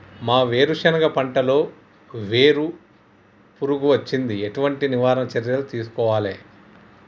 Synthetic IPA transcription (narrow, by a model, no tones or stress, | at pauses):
maːʋeːɾuʂɐnɐɡɐpɐɳʈɐlo̞ː | ʋe̞ːɾu | puɾuɡuʋɐt͡ʃːind̪ieʈuʋɐɳʈiniʋaːɾɐnɐt͡ʃɐɾjɐlut̪iːsu̥kɔːʋaːlḛː